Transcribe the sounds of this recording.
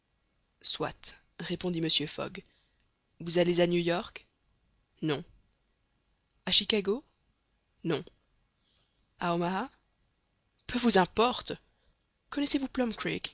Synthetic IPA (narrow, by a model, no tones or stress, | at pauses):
swa̰t̪ | ʁepɔ̃d̪iməsjøfɔ̰ɡ | vuzalezanjujɔʁk | nɔ̃ | aʃikaɡo | nɔ̃ | aɔmaa | pʰøvuzɛ̃pɔʁt̪ | kɔnɛsevuplɔmkɹḭk